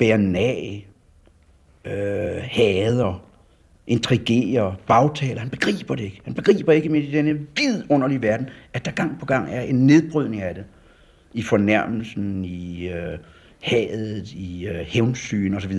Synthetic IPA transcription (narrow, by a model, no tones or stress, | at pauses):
b̥eɐnɛ | øhɛːð̞ˠɐ | ʔe̝nt͡sʰʁiɡ̥e̝̰ːɐb̥ɑ̈ʊt͡sʰɛ̰ːlɐhænb̥e̝ɡ̥ʁḭːb̥ɐde̝e̝ɡ̥əhænb̥e̝ɡ̥ʁḭːb̥ɐe̝ɡ̥əmeid̥enəʋið̰ˠɔ̽n̰ɐliʋæɐd̥n̩æd̥ɑ̈ɡ̥ɑ̈ŋ̰pʰɒ̽ɡ̥ɑ̈ŋ̰æɐʔe̝nːe̝ðˠb̥ʁyð̰ˠne̝ŋæd̥e̝ | ifɒ̽næɐ̰ml̩sn̩iø | hɛːð̩ˠiøheʊnsy̰ːnɒ̽sɒ̽ʋiðˠɐ